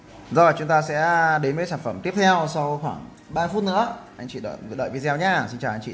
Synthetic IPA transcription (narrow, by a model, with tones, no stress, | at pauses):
zɔ˧˨˩t͡ɕʊ˨˦ŋ͡mt̪aː˧sɛ̰˧˥ɗe˨˦nmə˨˦saː˧˩nfə˧˩mt̪i˦˥əp̚t̪ʰɛ˧wsa˧wxwaː˧˩ŋ | ɓaː˧fu˦˥t̚nɨ̰˧˥əʔa˧jŋ̟t͡ɕḭ˧˩ɗə̰ː˧˩ɣɨ̰˧˨ɗə̰ː˧˨v̚zɛ˧wɲaː˧si˧nt͡ɕaː˨˩wʔa˧ŋ̟t͡ɕḭ˧˨